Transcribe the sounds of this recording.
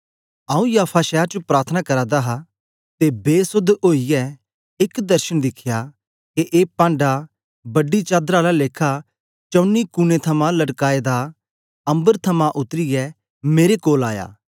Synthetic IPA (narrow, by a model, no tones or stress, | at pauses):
ãːũjaːpʰaʃɛːɾt͡ʃopɾaːɾt̪ʰənakɐɾad̪aɦa | t̪ebeːsʊd̪oːijɛ | ɪkd̪ɐɾʃəñd̪ɪkʰɪja | keʔeːpãːɳɖa | bɐɖit͡ʃaːd̪ɾalaleːkʰa | t͡ʃɐʊnːikʊnet̪ʰɐmãlɐɽkaːed̪a | ɐ̃mbəɾt̪ʰɐmãʔʊt̪ɾɪjɛ | meːɾekoːla̰ːja̰ː